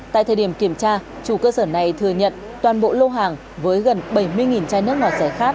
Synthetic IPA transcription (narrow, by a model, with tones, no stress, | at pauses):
t̪a̰ː˧˨jt̪ʰəː˨˩ɗi˧˩əmki˧˩əmt͡ɕaː˧ | t͡ɕu˧˩kəː˧səː˧˩na˨˩jt̪ʰɨ˨˩əɲə̰˧˨n | t̪waː˨˩nɓo̰˧˨lo˧ɦaː˨˩ŋ | vəː˨˦jɣə˨˩nɓə˧˩jmɨ˧əjŋi˨˩nt͡ɕaː˧jnɨ˦˥ək̚ŋɔ˨˩t̚sɛ˧˩xaː˦˥k̚